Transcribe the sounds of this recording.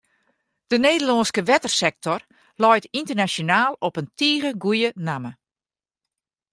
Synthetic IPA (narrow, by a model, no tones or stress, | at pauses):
d̥əneːdəlɔnskəʋɛtərsɛk̚tʰɔr | lɔjtintərnasjonaːlˠɔpəntiːɣəɡujənamə